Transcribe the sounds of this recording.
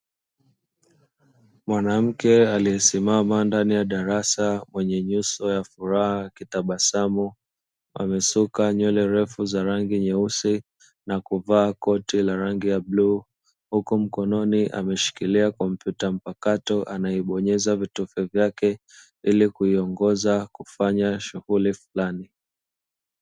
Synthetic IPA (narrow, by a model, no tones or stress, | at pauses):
mwanam̩kɛaliɛsimamandanijaɗaɾasamwɛɲɛɲusɔjafuɾahakitaɓasamu | a̰mɛsukaɲɔlɛɾɛfuzaɾaŋɡiɲɛusi | nakuvaːkɔtilaɾaŋɡijabluː | hukum̩kɔnɔniʔa̰mɛʃi̥kiliakɔm̩pjutam̩pakatɔʔanaɛɓɔɲɛzavitufɛvjakɛ | ilikuiɔŋɡɔzakufaɲaʃuhulifulani